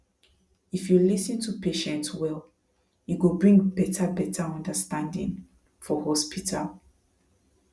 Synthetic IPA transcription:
ifjulisɨ̃ntʰupʰeʃɛ̃ntswɛl | juɡubɹĩŋbɛtʰabɛtʰaɔ̃ndəstãndḭ̃ŋ | fɔhɔspitʰal

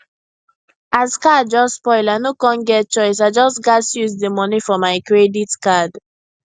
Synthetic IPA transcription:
azkad̚d͡ʒɔsspɔɪlanokɔ̃nɡɛt̚t͡ʃɔɪs̬aɪd͡ʒɔsɡasjuzdemɔnifɔmaɪkɹeditkad

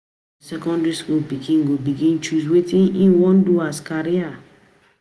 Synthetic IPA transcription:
sɛkɔ̃ndɹiskulbiɡĩŋɡobiɡĩnt͡ʃuswetĩnĩnwɔ̃nduaskaɾia

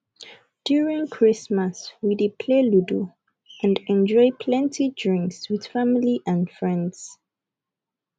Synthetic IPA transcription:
d̥juɹĩŋkʰɹismaswidipʰleludu | ãndɛ̃nd͡ʒɔjpʰlɛ̃ntʰidɹĩŋkswið̥familiʔãndfɹɛ̃ndz̥

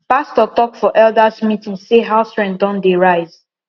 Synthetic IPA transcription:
pastɔtɔkfɔʔɛldasmitĩŋseɦaʊsɹɛ̃ndɔ̃ndeɹaɪz̥

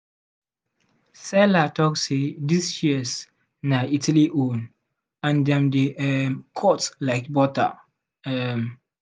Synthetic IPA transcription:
sɛlatɔksedisjiəs | naitʰaliʔõn | ãndɛ̃mdeɛmkʰɔtlaɪkbɔta̰ | ɛm

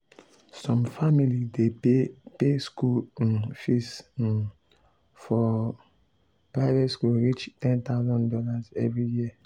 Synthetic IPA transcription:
sɔ̃mfamilidepeskulfis | fɔ | pɹaɪvɛtskulɾit͡ʃtɛ̃nt̪aʊzɔ̃ndɔlazɛ̰vɹijiɛ

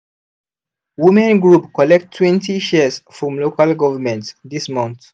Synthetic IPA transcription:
wimɛ̃nɡɹupkɔlɛk̚tʰːwɛ̃ntiʃɛzfɹɔ̃mlokalɡɔvəmɛ̃ntðismɔ̃nθ

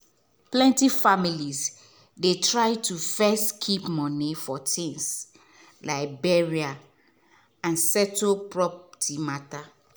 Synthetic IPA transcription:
plɛ̃ntifamilis | detʰɹaɪtʰufɛstkʰipmɔ̃nifɔtʰĩŋs | laɪk̚bɛɹia | ãnsɛtopɹɔptʰimata

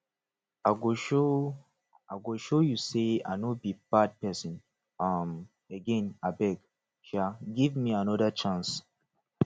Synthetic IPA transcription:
aɡoʃo | aɡoʃojusea̰nobib̥ad̚pɛsɔ̃n | ʌm | əɡɛ̃nabɛɡ | ʃaɡivmiãnɔdət͡ʃãns

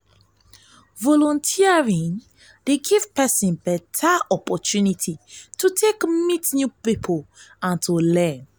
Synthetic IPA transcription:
vɔlɔ̃ntʰiaɹĩn | deɡiv̥pɛsĩnbɛtʰaɔpɔtunitʰitutʰekmitnjupipʰoãntʰulɛ̃n

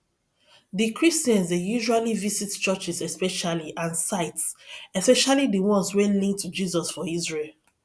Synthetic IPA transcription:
ðikʰɹistjɛ̃nzdejuʒualivisitt͡ʃɜt͡ʃisɛspɛʃaliʔãnsaɪtsɛspɛʃalidiwɔ̃nswɛ̃nlĩŋk̚tʰud͡ʒizɔsfɔizɹel

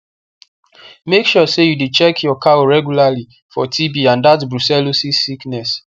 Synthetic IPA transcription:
mekʃɔsejudut͡ʃɛkʰjɔkʰaoɹɛɡjulali | fɔtʰibiãndat̬bɹusɛlosisiknɛs

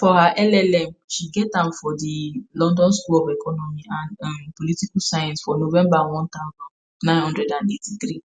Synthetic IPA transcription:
fɔhaʔɛlɛlɛm̩ʃiɡɛtãn̩fɔdilɔ̃ndɔ̃nskulɔbɛkɔnɔmĩanãpolitikusajɔ̃nsfɔnovɛ̃mbaw̃ɔ̃ntaʊ̃zɔ̃n | nːãj̃nhɔ̃ndɾɛdãnetit̪ɾi

